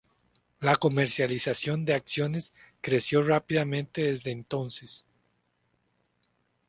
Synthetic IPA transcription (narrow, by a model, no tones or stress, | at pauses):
lako̞me̞ɾsjalisasjo̞nd̪e̞aksjo̞ne̞s | kɾe̞sjo̞rapiðamẽnt̪e̞ðe̞zðeːnt̪o̞nse̞s